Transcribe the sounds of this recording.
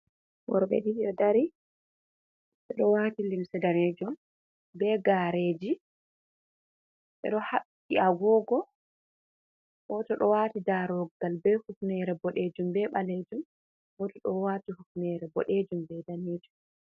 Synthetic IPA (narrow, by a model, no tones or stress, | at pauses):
wɔ̰ɾbɛ̰ɗiɗiɔdaɾi | sɛɗɔwatilimsɛdaned͡ʒum | bɛɡaɾeːd͡ʒi | ɓɛ̰ɗɔhaɓːiaɡɔːɡɔ | wɔtɔɗɔwatidaɾɔɡalbɛhufnɛɾɛbɔɗed͡ʒumbɛɓaled͡ʒum | wɔtɔɗɔwatihufnɛɾɛbɔ̰ɗed͡ʒumbɛdaneːd͡ʒum